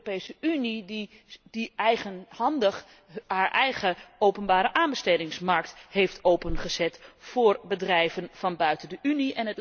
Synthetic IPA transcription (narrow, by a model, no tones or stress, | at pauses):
pejsəynid | d̥iɛjχənhɑndəχ | haːɹʔɛjχəowpənbaːɾəʔaːnbəstejdɪŋsmɑɹk̚thejftowpənχəzɛtfʊːɹbədrɛjvənfɑnbœɥtəndəʔyniʔɛnət